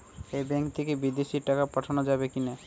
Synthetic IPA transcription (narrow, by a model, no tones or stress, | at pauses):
ebɛ̃ŋkt̪ikebid̪esiʈakapəʈʰanɔd͡ʒabekine